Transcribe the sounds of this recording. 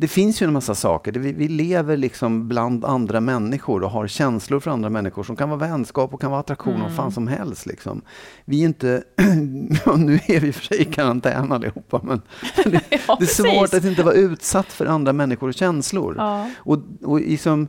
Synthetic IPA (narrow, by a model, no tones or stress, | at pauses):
d̪̥ɛfɪnsjɵɛnmasːasɑ̰ːkəɖɛvɪvɪleːvəɾɭɪksɔmbland̪and̪ɾamɛnːɪɧʊɾɔɦaɾɕɛnslʊɾfœɾand̪ɾamɛnːɪɧʊʂɔmkʰanvɑːvɛnskɑːpɔkʰanvɑːat̪ɾakɧṵːnɔfaːnsɔmɦɛ̰lst̪lɪ̰ksɔ̰mvɪɪnt̪ə | ɑːnʉ̟ːæɾvɪfœ̥ʂɛjkʰaɾant̪ʰɛ̰ːnalːɪ̰huːpːamɛnmɛnd̪ɛd̪ɛsvoːʈat̪ːɪnt̪əvaɾʉ̟ːt̪sat̪ːfœɾʔand̪ɾamɛnːɪɧʊɾɔɕɛnslʊ̰ɾʔɔɔlɪksɔm